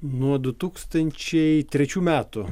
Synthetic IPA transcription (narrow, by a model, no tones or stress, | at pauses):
nuɔd̪ʊt̪uːkst̪ɐnʲt͡ʃʲɛɪt̪ʲɾʲɛt͡ʃʲuːmʲæːt̪ʊ